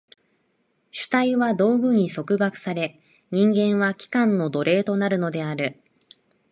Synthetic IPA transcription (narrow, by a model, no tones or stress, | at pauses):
ɕɨ̥t̪aiβad̪o̞ːɡɯ̟ɲ̟iso̞kɯ̟bakɯ̥saɾe̞ | ɲ̟ĩŋɡẽ̞ɰ̃βakʲi̥kãnːo̞d̪o̞ɾe̞ːt̪o̞naɾɯ̟no̞d̪e̞aɾɯ̟